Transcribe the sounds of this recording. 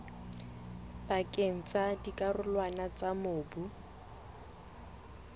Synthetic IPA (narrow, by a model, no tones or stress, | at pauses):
bakʼeŋ̩t͡sadikʼarʊlwanat͡sʼamʊːbu